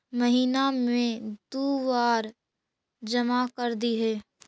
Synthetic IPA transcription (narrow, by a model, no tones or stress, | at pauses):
mɐɦiːnamẽd̪uːwaːɾ | d͡ʒɐmakəɾd̪iɦɛː